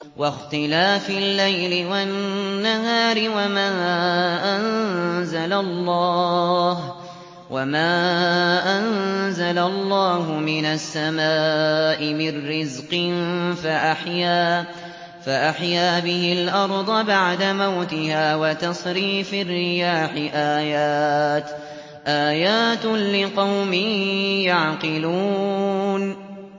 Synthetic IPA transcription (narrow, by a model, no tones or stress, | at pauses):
wʔɑxt̪ɪlaːfɪlːajlɪwaːaɦaːɾɪwamaːʔanzalalːɑ | h | wamaːʔanzalalˤːɑːɦʊmɪnasːamaːʔɪmɪnːɪzqɨnfaʔaħjaː | faʔaħjaːbɪhɪlʔɑɾˤd̪ˤɑbaʕd̪amawt̪ɪhaːwat̪ɑsˤɾiːfarːɪjaːħɪʔaːjaːt̪ | ʔaːjaːt̪lɪqɑwmɪjaʕqɪluːn